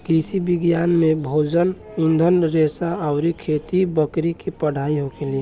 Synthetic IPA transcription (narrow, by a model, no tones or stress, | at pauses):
kɾisibiɡjanmebʱod͡ʒən | ũnd̪ʱənɾesaaʊɾikʰet̪ibəkɾikepəɽ̤ʱaiɦoɡeli